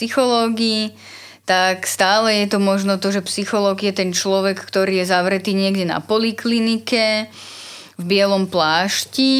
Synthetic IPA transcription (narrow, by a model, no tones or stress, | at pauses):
sixɔlɔːɡiː | t̪akst̪aːlɛjɛt̪ɔmɔʒnɔt̪ɔʒɛpsixɔlɔːɡjɛt̪ɛnt͡ʃlɔʋɛkːt̪ɔɾiːjɛzaʋɾɛt̪iːɲɪɛɡɟɛna̰pɔliklinikɛ | vbɪɛlɔmplaːʃci